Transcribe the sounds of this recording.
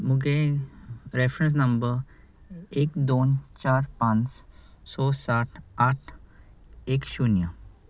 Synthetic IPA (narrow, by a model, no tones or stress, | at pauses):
muɡe | ɾefɾẽns̬nɐmbəɾ | eːkd̪oːnt͡ɕaːɾpãnt͡ssɔsaʈʰaʈʰ | ekʃunjə